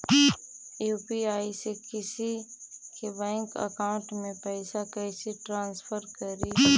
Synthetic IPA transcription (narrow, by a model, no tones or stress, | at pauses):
juːpiaːisekɪsikebɛ̃ːŋkə̰kaːʊ̃ɳʈmẽpɛːsakɛːseʈɾãːnsfʰəɾkəɾi